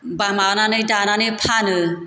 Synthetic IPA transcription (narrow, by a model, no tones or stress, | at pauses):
bamananɯjdananɯpʰanɯ